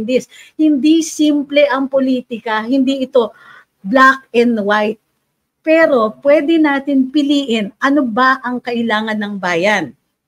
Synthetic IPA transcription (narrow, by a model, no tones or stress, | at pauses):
nd̪ɪshɪnd̪isiːmplɛʔɐŋpoliːt̪ɪkɐhɪnd̪iʔɪt̪o̞ | blakɛnd̪wajt̪̚ | pɛːɾo̞pwɛːd̪ɛnaːt̪ɪnpɪliːʔɪnʔɐnobaʔɐŋkɐʔɪlaːŋɐnːɐŋbaːjɐn